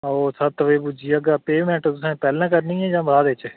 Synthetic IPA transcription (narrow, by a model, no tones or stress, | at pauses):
oːsʰat̪ʋeːbud͡ʒiːəɡaːpeːmɛ̃ɳʈod̪ʊsẽpɛːlãːkəɾnĩːɛ̃d͡ʒãːbaːd̪eːt͡ʃ